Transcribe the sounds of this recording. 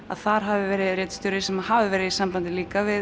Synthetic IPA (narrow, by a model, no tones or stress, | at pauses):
a̰ðθaɾ̥ɦavɪvɛːɾɪðɾejt̪st̪ʏɾɪsɛmahavɪvɛːɾɪðisampant̪ɪliːkavɪ